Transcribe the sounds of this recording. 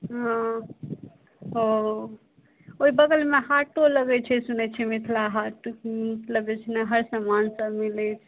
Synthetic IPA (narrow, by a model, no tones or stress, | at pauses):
ɦã | ɦo | oibəɡəlmeɦaʈːoləɡɛt͡ʃʰɛsunɛt͡ʃʰɛmit̪ʰlaɦaʈmət̪ʰləbet͡ʃʰnaɦəɾsamansəbmilɛt͡ʃʰ